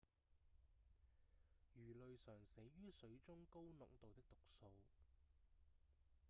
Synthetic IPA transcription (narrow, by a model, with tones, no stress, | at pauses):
jyː˨˩lɵ˨ɥsœː˨˩ŋse˨˥jɥyː˥sɵ˨˧ɥt͡sʊ˥ŋko˥wnʊ˨k̚t̪o˨wt̪ɪ˥k̚t̪ʊ˨k̚so˧w